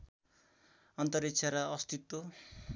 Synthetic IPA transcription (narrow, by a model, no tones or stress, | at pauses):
ʌnt̪ʌɾitt͡sʰaɾʌʌst̪it̪ːo